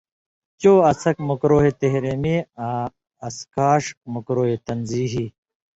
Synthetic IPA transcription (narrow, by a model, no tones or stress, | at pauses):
t͡ɕoːɐsɐkmukɾoːɦet̪eɦɾemia | ɐskaːʂmukɾoːɦet̪ɐnziːɦi